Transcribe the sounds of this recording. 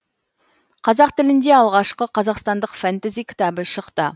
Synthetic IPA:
qʰɑzɑqt̪ɪlɪnd̪e̞ɑlˠʁɑʃqəqʰɑzɑqst̪ɑnd̪əqfant̪azijkʲʰɪ̥t̪ɑbəʃəqt̪ə

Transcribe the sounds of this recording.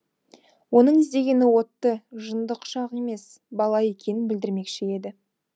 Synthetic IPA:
wo̞nəɴɪzd̪e̞ɡʲe̞nɪwo̞t̪ːəʒənd̪əqʃɑqe̞me̞s | bɑlˠɑje̞kʲʰe̞nɪnbɪld̪ɪɾme̞kʃɪe̞d̪ɪ

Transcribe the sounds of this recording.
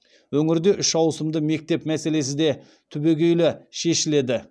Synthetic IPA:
wɵŋɪɾd̪e̞ʔʏʃɑwsəmd̪əme̞k̚t̪e̞pmæse̞le̞s̬ɪd̪e̞ | t̪ʰʏbe̞ɡʲejlɪʃe̞ʃɪle̞d̪ɪ

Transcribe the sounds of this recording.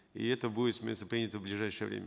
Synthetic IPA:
ḭɛt̪əbuɪt̪sʲmʲḛst̪əpɾʲinʲɪt̪əvblʲɪʐajʂɨjəvɾʲḛmʲə

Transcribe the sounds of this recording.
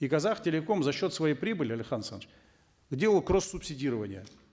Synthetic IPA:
ikɐzaxtʲɪlʲɪko̞mzɐɕːo̞t̪svɐjejpɾʲibɨlʲɪɐlʲɪxansant͡ɕ | ɡdʲe̞lˠəlˠkrosːʊpsʲɪdʲiɾəvənʲɪjə

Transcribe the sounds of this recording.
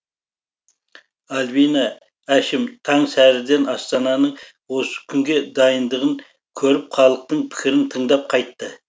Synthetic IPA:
ɑlvijnɑ | æʃɪmt̪ʰɑɴsæɾɪd̪e̞nɑst̪ɑnɑnəɴ | wo̞sə̥kʲʰʏŋɡʲe̞d̪ɑjənd̪əʁəŋ | kʲʰɵɾɪpχɑlˠəq̚t̪əɴpʰɪ̥kʲɪɾɪnt̪ʰəɴd̪ɑp̚qʰɑjt̪ːə

